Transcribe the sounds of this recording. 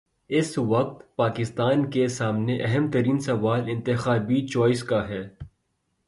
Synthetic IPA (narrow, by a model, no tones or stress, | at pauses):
ɪsʋɐk̚t̪paːkɪst̪aːnkesaːmneʔɐɦɛmt̪ɐɾiːnsɐʋaːlɪ̃nt̪ɪxaːbit͡ʃɔːɪskaɦɛː